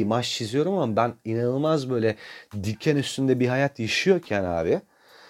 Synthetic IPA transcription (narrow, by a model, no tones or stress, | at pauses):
maʃt͡ʃʰizijo̞ɾumamabæninanɯlˠmazbø̞jlʲɛd̪icʰːɛnyst̪ʰynd̪ɛbiɦajat̪ʰjaʃijo̞ɾcʰæna̰ːbɪ